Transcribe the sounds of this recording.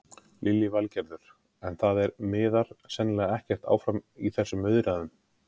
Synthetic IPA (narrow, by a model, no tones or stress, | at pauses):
lʔɪlːɪvalcɛɾðʏɾ̥ | ɛnθaðɛɾmɪːðaɾ̥sɛnːlɛːɣaɛhcɛr̥t̪a̰ːwfɾamiθɛsːʏmʏðɾaðʏm